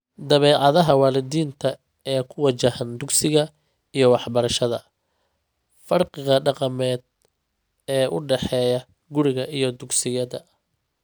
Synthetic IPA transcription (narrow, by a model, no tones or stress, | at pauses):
d̪ɐβɛːʕɑðɐɦɐwɑːlɪðiːnt̪ʰɐ | ɛːkʰʊwɐt͡ʃɐhɐnd̪ʊɡsɪɣɐ | ijɞwɑħbɐɾɐʃɐðɐ̰ | fɐrqɪɣɐɖɑqɑmɛːd̪ | ɛːʔʊɖɛħɛːjɐ | ɡʊɾɪɣɐʔijɞd̪ʊɡsɪjɐðɐ̰